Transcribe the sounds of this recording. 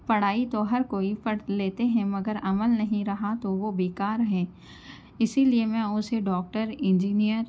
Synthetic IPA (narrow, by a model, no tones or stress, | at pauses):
pɐɽ̤aːit̪oɦɐɾkoːipɐɽleːt̪eɦɛ̃mɐɡəɾɐməlnɐɦĩɾɐɦat̪oʋobeːkaːɾɦɛ̃ː | ɪsiliemẽʊ̃seɖɔːk̚ʈəɾɪ̃ɲd͡ʒiːnijəɾ